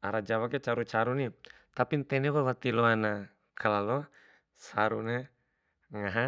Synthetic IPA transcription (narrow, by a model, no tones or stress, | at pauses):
aɾad͡ʒawakɛt͡ʃaɾut͡ʃaɾunit̪apint̪ɛnɛwawat̪ilɔana | kʰalalɔ | saɾuna | ŋaɦa